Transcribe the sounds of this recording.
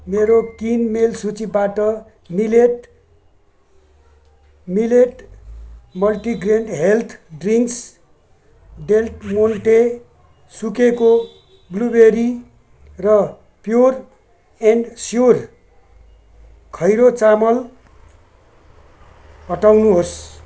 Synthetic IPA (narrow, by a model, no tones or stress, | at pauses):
meɾot̪inmelsut͡sibaʈʌ | mileʈ | mileʈ | mʌlʈiɡreɳɖɦelt̪ʰɖriŋks | ɖelʈmonʈe | sukeko | blubeɾi | rʌ | pjor | enɖsjor | kʰʌjɾot͡samʌl | ɦʌʈawnuɦos